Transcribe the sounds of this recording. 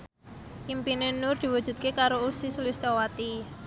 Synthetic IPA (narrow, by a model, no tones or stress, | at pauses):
ʔimpinenʊrd̪̥i̤wu̥ʒ̥ṳd̪̚kekaɾousisulist̪owat̪i